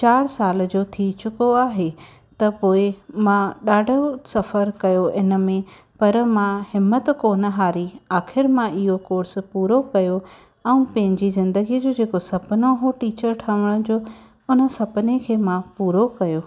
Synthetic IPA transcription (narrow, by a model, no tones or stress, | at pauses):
t͡ɕaːɽsaːl̆d͡ʑoːt̪ʰit͡ɕʊkoaːɦe | t̪ɐpoːɪmãɗaːɖʱosɐfəɾkɐjoʔɪnə̆mẽ | pɐɾmãhɪmːət̪koːnəɦaːɾiaːxɪɾmãʔɪɦokoːɾspuːɾokɐjo | ɛ̃ũpɐ̃ɦɪ̃ɲd͡ʑizɪ̃nd̪əɡid͡ʑod͡ʑeːkosɐpnoɦoːʈiːt͡ɕəɾʈʰəʋəɽ̃d͡ʑoː | ʊnə̆sɐpnekʰeːmãpuːɾokɐjoː